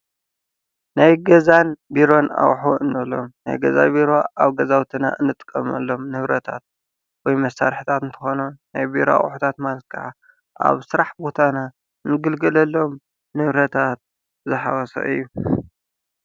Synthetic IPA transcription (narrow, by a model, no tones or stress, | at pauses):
najɡɐzanbiɾo̞na̰wħoɨnːɐlo̞̰mna̰jɡɐza̰jbiɾoʔaβɡɐzawt̪ʰina̰ʔɨ̰nːɨt̪ʼɨ̥kʼːɐmɐlːo̞mnɨβɾɐt̪ʰa̰t̪̚ | wɔjmɐsaɾħit̪ʰat̪ɨnt̪ʰɨ̥xo̞nunnajbiɾoa̰ʔʼħut̪ʰat̪malkʰa̰ʕa | ʔa̰βsɨɾaħbot̪ʰana | nɨɡɨlɡɐlɐlːo̞m | nɨβɾɐt̪ʰat̪̚ | zɨħa̰ɣɐsɐ̰ʔɨ̰jːu